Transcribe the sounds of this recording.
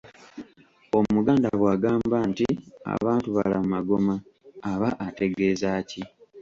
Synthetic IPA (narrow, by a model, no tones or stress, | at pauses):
o̞muɡaːndaβwaːɡaːmbaːntia̰βaːntuβa̰lamumaɡo̞maːβaʔate̞ɡe̞ːzaːci